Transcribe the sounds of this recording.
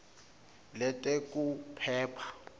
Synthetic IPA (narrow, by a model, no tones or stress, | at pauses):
lɛtʼekʼupʰɛːpʰḁ